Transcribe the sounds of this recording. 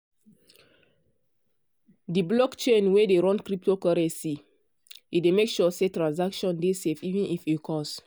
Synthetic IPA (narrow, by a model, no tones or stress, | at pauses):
diblɔkt͡ʃẽnwedeɹɔ̃nkɹip̚tokɔɹɛ̃nsi | idemekʃɔsetɹãns̬akʃɔ̃ndesefivɛ̃nʔifikʰɔs